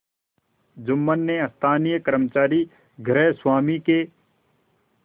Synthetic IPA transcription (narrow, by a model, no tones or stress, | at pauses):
d͡ʒʊmːənːeɐst̪ʰaːnijəkəɾmt͡ʃaːɾi | ɡʱɾɛːswaːmike